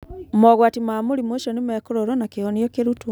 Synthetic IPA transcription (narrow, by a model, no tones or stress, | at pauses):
mɔɣwaːtimamoɾimoʃɔnemɛkoɾoɾwɔnakeɔnjɔkeɾutu